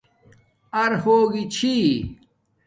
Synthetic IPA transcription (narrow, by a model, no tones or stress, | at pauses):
ɐɾhoːɡit͡ɕʰi